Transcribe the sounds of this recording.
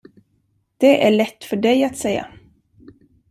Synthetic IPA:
d̪̥ɛʔæɭɛt̪ːfœɖɛjat̪sɛjːa̰

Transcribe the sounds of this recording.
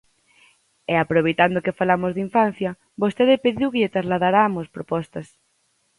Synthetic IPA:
eapɾoβejt̪and̪okefalamozðiɱfan̟θjɐ | bost̪eðepeðiwkeʎet̪ɾazlaðaɾamospɾopɔst̪ɐs

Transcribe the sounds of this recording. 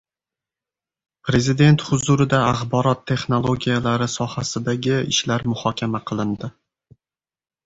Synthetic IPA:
pɾe̞zɪd̪e̞nt̪χʊzʊɾɪd̪aːχbɒɾɒt̪ʰːe̞χno̞lˠoɡʲijalaɾɪsɒhasɪd̪aɡʲɪɪ̰ʃlaɾmʊhɒkʲʰamaqʰɨlˠɪnd̪ɪ

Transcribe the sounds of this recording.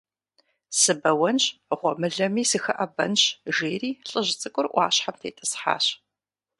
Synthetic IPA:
sɨbɐwɐnɕʁʷɔmɨɮɐmiːsɨxɐʔɐbɐ̰nɕʒeːriːɬʼɨʑt͡sʼɨkʷʼʊrʔʷɑːɕħamtʰeːtʼɨsħa̰ːɕ

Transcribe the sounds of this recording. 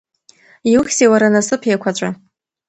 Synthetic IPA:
iwuχʲsewaɾanasɨpʰjakʷʰat͡ʃʷʼa

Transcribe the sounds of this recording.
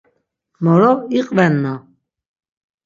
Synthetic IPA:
mɔɾɔiqʼvɛnːa

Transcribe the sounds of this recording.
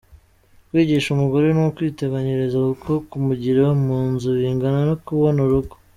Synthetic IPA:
kwiːɟiʃumuɡo̞ɾenkwiːteβaɲeɾe̞zakukʰo̞kumuɟiɾewamuːnzuβiːŋɡananokuβo̞nuɾuɡo̥

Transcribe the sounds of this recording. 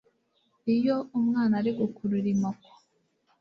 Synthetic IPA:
ijoumŋaːnaɾiɡukʰuɾuɾimoko̥

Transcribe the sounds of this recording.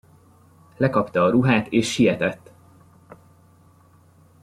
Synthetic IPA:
lɛkɒpt̪ɒːɾuɦaːt̪eːʃːijɛt̪ɛt̪ː

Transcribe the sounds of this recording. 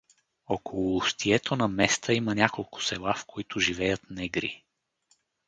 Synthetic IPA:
ɔkolˠʊːst̪iɛt̪onɐmɛst̪ʰəimənʲakolˠkʊ̥sɛlˠafkoit̪ʊʒivɛjət̪nɛɡɾḭ

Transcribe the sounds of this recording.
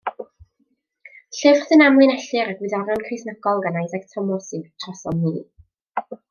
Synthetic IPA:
ɬɪvr̥θɨnamlˠɨnɛɬɨɾaɡwɨðɔɾjɔnkʰrɪjsnəɡɔlˠɡanajðɛɡtʰɔmɔsitʰrɔsɔmiː

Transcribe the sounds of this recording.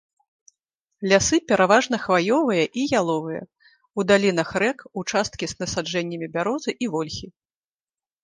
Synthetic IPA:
lʲasɨpʲɛɾavaʐn̪ɐxvajɔvɐjɐʔijalˠɔvɨjɐ̰ | ud̪alʲinɐxrɛkut͡ʂast̪̚kʲiznɐsad͡ʐɛnʲːɐmʲibʲaɾɔzɨʔivɔlʲxʲi

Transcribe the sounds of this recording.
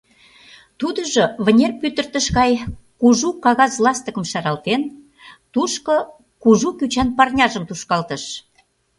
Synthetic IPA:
t̪ud̪əʒoβə̆nʲerpyt̪ə̆rt̪əʃɣɑjkuʒukɑɣɑzlˠɑst̪əkə̆mʃɑɾɑlt̪en | t̪uʃko | kuʒukyt͡ɕænpɑrnʲɑʒəmt̪uʃkɑlt̪ə̆ʃ

